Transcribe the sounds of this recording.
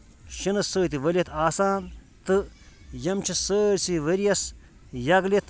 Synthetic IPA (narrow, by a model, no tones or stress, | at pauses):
ʃinɐssəːt̪iʋɐlʲɐt̪ʰaːsaːn | t̪ɨjɐmt͡ʃʰisəːɾʲsiʋɐɾijɐs | jɐɡlet̪